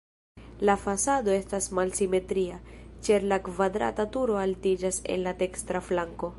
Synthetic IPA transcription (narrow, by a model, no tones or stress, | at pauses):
lafasado̞e̞stasmalsime̞tɾiat͡ʃeɾlakvadɾa̰tatuɾo̞altid͡ʒase̞̰nlate̞kstɾaflaŋko̞